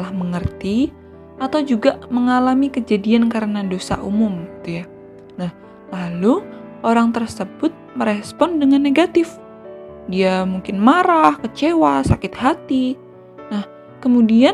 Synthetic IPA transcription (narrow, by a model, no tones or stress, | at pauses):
əlahməŋərt̪i | at̪awd͡ʒuɡaməŋalamikəd͡ʒadiankaɾənadosa̰ʔumʊmɡit̪uja | nah | laluʔoɾaŋt̪ərsəbʊt̪̚məɾɛspɔndəŋanːeɡat̪ɪf | diamuŋkɪnmaɾahkət͡ʃewasakɪt̪̚hat̪i | nah | kəmudian